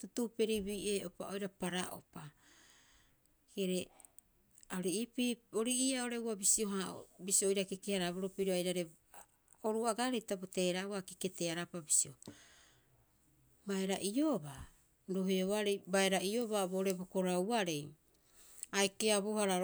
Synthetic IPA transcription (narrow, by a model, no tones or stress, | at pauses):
tutupe̞ɾibiʔe̞ːo̞pao̞jɾapaɾaʔo̰pa | keɾe | aoɾiipio̞ɾiiao̞ɾe̞uabisio̞ɦao̰bisio̞jɾakekehaɾaβoɾo̞piɾoajɾaɾe | oɾuaɡaɾejtabote̞ːɾawakike̞teaɾapabisio̞ | baeɾaʔio̞ba | ɾo̞ɦeoβaɾejbaeɾaʔio̞baboːɾe̞boko̞ɾawaɾe̞j | aekeaβohaɾa